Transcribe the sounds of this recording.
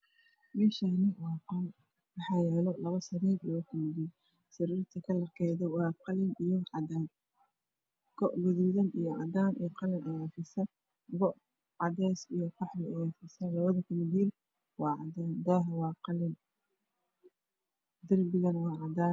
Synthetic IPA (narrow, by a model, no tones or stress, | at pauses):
mɛːʃaːnɪwɑːqɔl | wɑħɑjɛːlɔlɐβɐsɐɾiːɾɐjɐkʰʊmɪðiːn | sɐɾiːrt̪ʰɐkʰɐlɐrkʰɛjðɐwɑːqɑlɪnijɔʕɑd̪aːn | kɔʔɡʊðuːðɐnijɔʕɑd̪aːnʔijqɑlɪnʔɐjaːfɪsɐ | ɡɔʔ | ʕɑd̪ɛːsijɔqɑħlɪɛjaːfɪsɐlɐβɐðɐkʰʊmɪdiːl | wɑːʕɑ̰d̪aːnd̪aːɦɐwɑːqɑlɪn | d̪ɐrbɪɣɐnɐwɑːʕɑd̪aːn